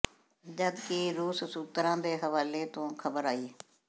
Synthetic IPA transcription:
d͡ʒəd̪kiɾuːssuːt̪ɾãːd̪eːɦəʋaːleːt̪õːkʰəbəɾaːiːe

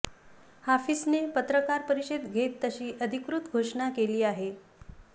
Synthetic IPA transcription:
hafisnepət̪ɾəkaɾpəɾiɕed̪ɡʱet̪ːəɕiːʔəd̪ʱikɾut̪ɡʱoʂɳakeliːaɦe

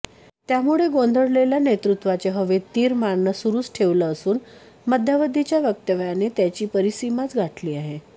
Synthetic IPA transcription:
t̪jamuɭeɡond̪ʱəɽleljanet̪ɾut̪ʋat͡seɦəʋet̪ːiːɾmaɳːəsuɾuːt͡sʈʰeʋləːsuːn | məd̪ʱjaʋəd̪ʱːit͡ɕjaʋjək̚t̪əʋjanet̪jat͡ɕiːpəɾisimat͡sɡʱaʈliːaɦe

